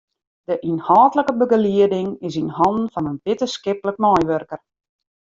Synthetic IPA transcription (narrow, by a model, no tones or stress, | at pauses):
dəʔinhɔːtləkəbəɡəliədɪŋɪsinhɔndn̩fɔnənbɪtəskɪplək̚mɔjʋørkər